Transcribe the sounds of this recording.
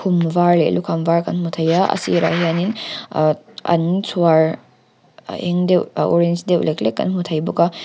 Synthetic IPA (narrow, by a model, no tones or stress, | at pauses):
kʰumvaɾlḛlukʰamvaɾkɐnhutʰajaɐ̰sḭɾa̰hianin | a̰nsʰuwaɾ | eŋdewoɾend͡ʒdew̰leklekːɐ̰nɦutʰajbuka